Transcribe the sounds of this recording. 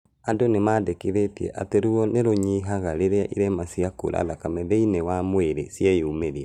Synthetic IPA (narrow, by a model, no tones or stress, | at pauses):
andonemaːdekiðetiɛ̰ʔateɾuɔneɾoɲiɦaɣaɾeɾeaʔiɾɛmasiako̰lʔa̰lakamɛðɛinewamweɾḛsiaiumeɾia